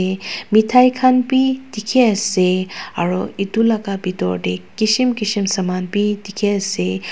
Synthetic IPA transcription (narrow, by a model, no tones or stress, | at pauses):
emitʰajkʰanpitikʰeɐsea̰ɾɔitulakabitɔ̰ɾdekisimkisimsɐmanpitikʰeɐse